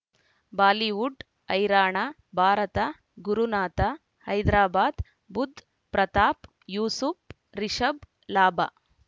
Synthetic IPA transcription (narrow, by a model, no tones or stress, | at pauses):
baːliʋuɖ | ɐjɾaːɳa | bʱaːɾɐt̪ɐ | ɡuɾunaːt̪ɐ | hɐjd̪ɾaːbaːd̪ | bud̪ʱ | pɾɐt̪aːp | juːsup | ɾiʃɐb | laːba